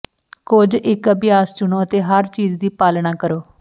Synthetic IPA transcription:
kʊd͡ʒɪkəbɪjaːst͡ʃʊnoːət̪eːɦəɾt͡ʃiːd͡ʒd̪iːpaːlɳaːkəɾoː

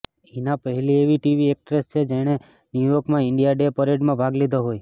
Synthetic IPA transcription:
inapəɦlieʋiʈiʋiek̚ʈɾest͡ʃʰed͡ʒeɽ̃e | njujokmãɪɳɖijaɖepəɾeɖmãbʱaɡled̪ʱoɦoj

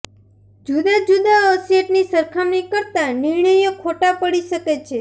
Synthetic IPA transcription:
d͡ʒud̪ad͡ʒud̪aəseʈnisəɾkʰamnikəɾt̪aniɾɳəjokʰoʈapəɽiʃəket͡ʃʰe

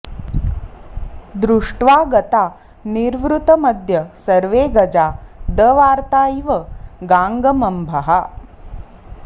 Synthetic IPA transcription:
d̪ɾuʂʈʋaːɡɐt̪aː | niɾʋɾut̪ɐmɐd̪ʱjɐsɐɾʋeːɡɐd͡ʒaːd̪ɐʋaːɾt̪aːiʋɐɡaːŋɡɐmɐmbʱɐɦɐ

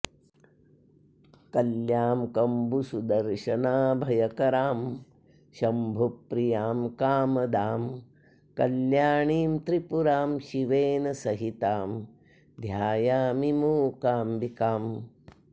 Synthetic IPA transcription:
kɐljaːmkɐmbusud̪ɐɾʃɐnaːbʱɐjɐkɐɾaːm | ʃɐmbʱupːɾijaːmkaːmɐd̪aːm | kɐljaːɳiːmt̪ɾipuɾaːmʃiʋeːnɐsɐɦit̪aːm | d̪ʱjaːjaːmimuːkaːmbikaːm

